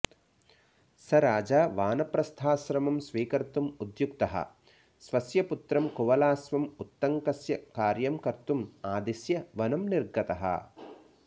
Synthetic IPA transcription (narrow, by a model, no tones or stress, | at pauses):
sɐɾaːd͡ʒaːʋaːnɐpɾɐst̪ʰaːʃɾɐmɐmsʋiːkɐɾt̪umud̪jukt̪ɐɦɐ̰ | sʋɐsjɐput̪ɾɐmkuʋɐlaːsʋɐmut̪ːɐŋkɐsjɐkaːɾjɐmkɐɾt̪umaːd̪isjɐʋɐnɐmniɾɡɐt̪ɐɦɐ̰